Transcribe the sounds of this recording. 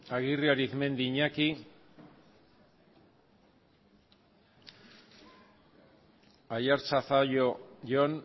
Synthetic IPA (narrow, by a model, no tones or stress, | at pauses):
aɣiriaɾiθme̞nd̪iɲaki | ajaɾt͡sasajoʝon